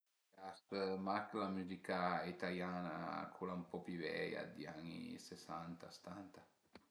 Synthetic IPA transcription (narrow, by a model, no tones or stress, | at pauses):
ast̪əmaklamyzikait̪aljanakʰulampɔpivɛ̰ja̰d̪iaɲḭsesant̪ase̥t̪ant̪a